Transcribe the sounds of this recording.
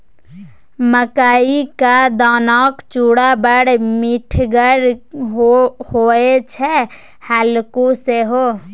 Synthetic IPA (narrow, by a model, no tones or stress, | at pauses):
məkaːikad̪ɔːnɔːkt͡ʃuːɽabəɽmɪʈʰɡəɾɦohoːet͡ʃʰɛ | haːlkoseɦoː